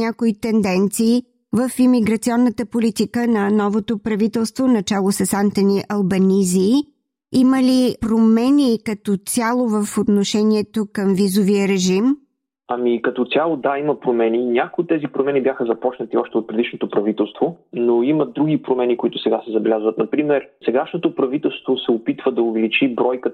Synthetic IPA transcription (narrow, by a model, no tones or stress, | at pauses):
nakoit̪ɛnd̪ɛnt̪siː | vəfimiɡɾɐt̪siɔnːət̪əpolit̪ikənɐnɔvot̪opɾɐvit̪ɛlˠst̪vonɐt͡ʃalˠosɛsant̪ɐniʔɐlˠbɐnizi | iməlipɾomɛnʲikɐt̪ɔsʲjalˠovəfot̪noʃɛniɛt̪okəmvizoviəɾɛʒim | ɐmikɐt̪ɔt̪sʲjalˠod̪aimɐpɾomɛninʲakʊot̪ːɛzipɾomɛnibʲjaxəzɐpɔt͡ʃnət̪iɔʃt̪ɛot̪̚pɾɛd̪iʃnot̪opɾɐvit̪ɛlˠst̪vonoimɐd̪ɾuɡʲipɾomɛnikoit̪ʊ̥sɛɡasɛzɐbɛlʲazvɐt̪nɐpɾimɛɾsɛɡaʃnot̪opɾɐvit̪ɛlˠst̪vosɛopit̪vəd̪ɐʊvɛlit͡ʃibɾɔjkə